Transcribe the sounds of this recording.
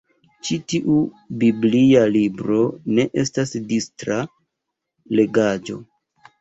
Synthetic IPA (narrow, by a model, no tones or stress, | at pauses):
t͡ʃitiʔu | biblialibɾo̞ne̞ʔe̞stasdistɾa | le̞ɡad͡ʒo̞̰